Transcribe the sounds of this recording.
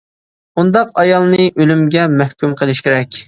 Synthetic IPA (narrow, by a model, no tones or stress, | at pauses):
und̪ɑqɑjɑlˠnɨʔølymɡʲɛmɛhkʲymqʰəlˠɪʃkʲɪɾɛkʲ